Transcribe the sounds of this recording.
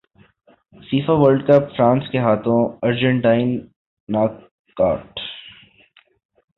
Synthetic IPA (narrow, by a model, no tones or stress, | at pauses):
siːfaʋəɾlɖkəpfɾãːnskeɦaːt̪ʰõɐɾd͡ʒə̃ɳʈaːɪnː | aːkː | a̰ːʈ